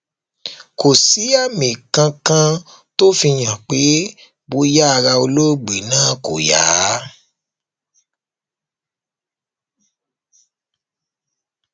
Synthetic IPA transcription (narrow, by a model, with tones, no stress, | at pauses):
ko˨si˨˦a˦˨mĩ˨kã˧kã˧ | to˦fi˧j̃ã˨k͡pe˨˦ | bo˧˦ja˦a˧ɾa˧o˧lo˦˨ɡ͡bi˨nãː˦ko˨ja̰ː˨˦